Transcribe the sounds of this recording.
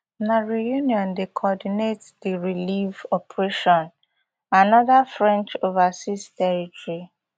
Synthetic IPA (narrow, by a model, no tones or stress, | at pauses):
naɹijuniɔ̃ndekʰɔdinetdiɹilivɔpʰɹeʃɔ̃n | anɔðafɹɛ̃nt͡ʃovasistɛɹitɔɹi